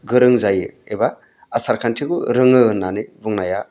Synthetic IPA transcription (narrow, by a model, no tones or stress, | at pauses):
ɡɯɾɯŋzajɯebaː | saɾkʰantʰikuɾɯŋɯɯnːanɯbuŋnaja